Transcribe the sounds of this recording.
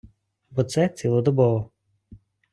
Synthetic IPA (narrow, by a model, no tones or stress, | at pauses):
bɔt̪sɛt̪t͡s̪ʲilˠɔd̪ɔbɔʋɔ